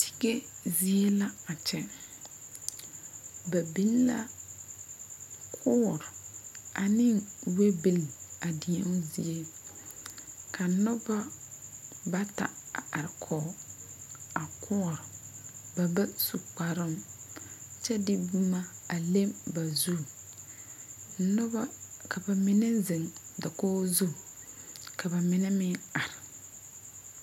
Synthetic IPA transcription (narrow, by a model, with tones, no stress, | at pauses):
tʰɪ̥˦ɡe˦zi˦e˦la˦a˨t͡ʃɛ˦ | ba˨bi˦lla̰˦ | kʰʊ˦˨ɾʔa˨nɪ˦ŋwe˦bi˨la˨dɪ˨ɛ˦ŋ˦zḭ˦e˦ | kʰa˨nɔ˦ba˦ | ba˦ta̰˨a˨a˨ɾɪ˨kʰɔː˨ | a˨kʰʊ˦˨ɾɪ˨ba˨ba˦su˨k͡pa˨ɾɪ˦m | t͡ʃɛ˦dɪ˦bu˦ma˦a˨le˦mba˨zu˦˨˦ | nʊ˦ba˦ka˨ba˨mɪ˦nɛ˦zɪ˨ŋda˨koː˦zu˦ | kʰa˨ba˨mɪ˦nɛ˦mɪ˦ŋa˨ɾɪ˨